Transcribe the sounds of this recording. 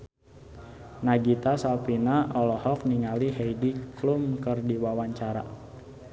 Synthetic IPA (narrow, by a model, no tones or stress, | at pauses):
naɡit̪asalpinaʔɔlɔhɔk̚niŋaliɦejdiklumkərdiwawaɲt͡ʃaɾa̰